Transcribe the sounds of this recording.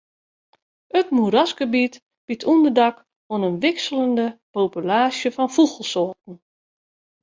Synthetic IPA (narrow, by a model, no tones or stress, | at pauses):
ətmuɾasɡəbit | b̥itʰundərdak | onənʋɪksələndəpoːpylaːsjəfɔnfuɣəlˠsoət̚n̩